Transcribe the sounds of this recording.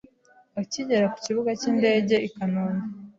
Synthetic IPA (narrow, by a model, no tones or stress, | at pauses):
aciɟe̞ɾaku̥ciβuɡaciːnde̞ːɟe̞ikanoːne